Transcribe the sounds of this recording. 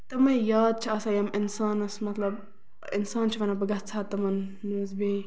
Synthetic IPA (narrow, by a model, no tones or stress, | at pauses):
t̪ɐmɐjaːd̪̚t͡ʃʰɐɐsɐjɐminsaːnɐsmɐt̪lɐb | ḭnsaːnt͡ʃʰiʋɐnabəɡɐt͡sʰaːt̪ːɐmɐnːuzbe